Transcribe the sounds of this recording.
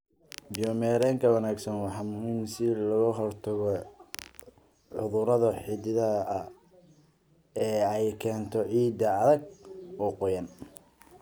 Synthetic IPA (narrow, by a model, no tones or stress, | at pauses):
bɪjɔmɛːɾɛːŋkʰɐwɑnaːɡsɐnwɑħɑːmʊɦiːmsɪlɐɣɐɦɔrt̪ʰɐɣɔ | ʕʊðʊɾɐðɐħɪd̪ɪðɐʔɐ | ɛːɛjkʰɛːnt̪ʰɔʕiːd̪ɐːðɐɡ̚ɔːqʊjɐn